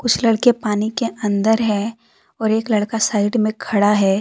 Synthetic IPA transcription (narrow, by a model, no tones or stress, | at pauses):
kʊt͡ʃʰlɐɽkepaːnikeʔɐ̃nd̪əɾɦɛː | ɔːɾeːklɐɽkasaːɪɖmẽkʰɐɽaɦɛː